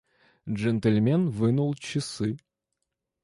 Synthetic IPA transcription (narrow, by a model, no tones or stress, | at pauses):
ʐɛnt̪əlʲmʲenvɨnulˠt͡ɕɪsɨ